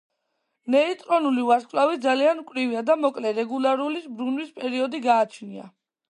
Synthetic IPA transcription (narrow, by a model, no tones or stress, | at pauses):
nɛit̪ʼɾɔnulivaskʼlavid̪zaliankʼwɾiviad̪amɔkʼlɛɾɛɡulaɾulisbɾunwispʼɛɾiɔd̪iɡaːt͡ʃʰnia̰